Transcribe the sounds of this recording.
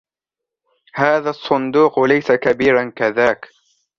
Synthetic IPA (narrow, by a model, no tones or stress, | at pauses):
haːðasˤːʊnd̪uːqlajsakabiːɾankaðaːk